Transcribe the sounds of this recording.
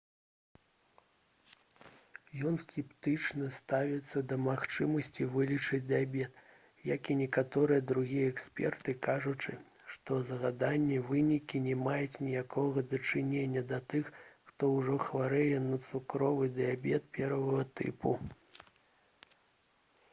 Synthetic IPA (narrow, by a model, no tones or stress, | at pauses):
jɔnskʲɛpt̪ɨt͡ʂnɐst̪avʲɛt̪sːɐd̪ɐmaxt͡ʂɨmɐsʲt͡sʲivɨlʲit͡ʂɐd͡zʲd̪ɨjabʲɛt̪ | jakinʲɛkat̪ɔɾɨjɐd̪ɾuɣʲijɐɛksʲpʲɛ̰rt̪ɨkaʐut͡ʂɨ | ʂt̪ɔzɐɣad̪anʲːɛvɨnʲikʲinʲɛmajɛt͡sʲnʲijakʰɔɣɐd̪ɐt͡ʂɨnʲenʲːɐd̪ɐt̪ɨxxt̪ɔwʐɔxvaɾɛjɛnɐt̪sukɾɔvɨd̪ɨabʲɛt̪̚pʲɛɾvɐɣɐt̪ɨ̰pu